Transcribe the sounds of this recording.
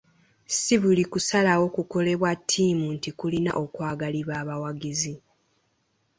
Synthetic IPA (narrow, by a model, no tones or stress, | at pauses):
siβulikusalawo̞kuko̞le̞βwatʰːiːmuntikulina̰ʔo̞kwaːɡaliβaːβawaɡizi